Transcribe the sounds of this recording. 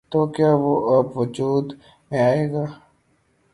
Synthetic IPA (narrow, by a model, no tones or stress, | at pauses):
t̪oːkjaːʋoʔɐbʋʊd͡ʒuːd̪ | mẽaːeːɡaː